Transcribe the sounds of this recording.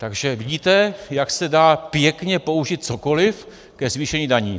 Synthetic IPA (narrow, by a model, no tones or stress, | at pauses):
t̪aɡʒɛvɪɟiːt̪ɛjaksɛdaːpjɛkɲɛpo̞uʒɪt̪̚t͡so̞ko̞lɪf | kɛzviːʃɛɲiːdaɲiː